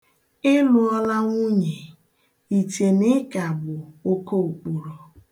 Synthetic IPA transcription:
ɪ˦lʊ˨ɔ˦la˦ŋʷu˦ɲe˨ | i˨te˨nɪ˦ka˨bʊ˨o˦ko˦u˨k͡pu˨ɾo˨

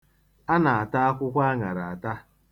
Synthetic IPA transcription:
a˦na˨a˨ta˦a˦kʷʊ˦kʷa˦ŋa˨ɾa˨a˨ta˦

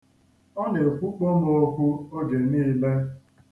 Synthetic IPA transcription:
ɔ˦ne˨kʷu˦k͡po˦m˦o˦kʷu˦o˦ɡe˨mi˦me˦

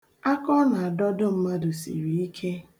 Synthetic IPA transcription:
a˦kɔ˦na˨a˨dɔ˦dʊ˦m̩˦ma˦dʊ˨sḭ˨ɾi˨i˦kʰe˦

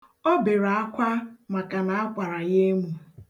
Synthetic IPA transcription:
ɔ˦be˨ɾa˨a˦kʷa˦ma˨ka˨na˨a˦kʷa˨ɾa˨ɣe˦mu˨

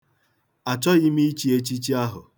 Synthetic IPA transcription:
a˨t͡ʃɔ˦i˦mi˦i˦t͡ʃi˦e˦t͡ʃi˦t͡ʃi˦a˦ɦʊ˨

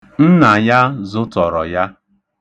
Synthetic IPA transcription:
n̩˦na˨ja˦zʊ˦tɔ˨ɾɔ̰˨ja˦

